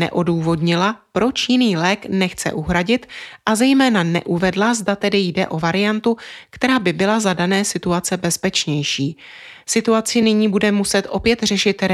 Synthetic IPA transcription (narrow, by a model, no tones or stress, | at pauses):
nɛ̰ʔo̞duːvo̞dɲɪlapɾo̞t͡ʃjɪniːlɛːknɛxt͡sɛ̰ʔuɦɾaɟɪt̪ʔazɛjmɛːnanɛ̰ʔuvɛdlazdat̪ɛdɪjdɛʔo̞vaɾɪjant̪ukt̪ɛɾaːbɪbɪlazadanɛːsɪt̪uat͡sɛbɛspɛt͡ʃɲɛjʃiː | sɪt̪uat͡sɪnɪɲiːbudɛmusɛt̪ʔo̞pjɛt̪r̝ɛʃɪt̪ɾɛ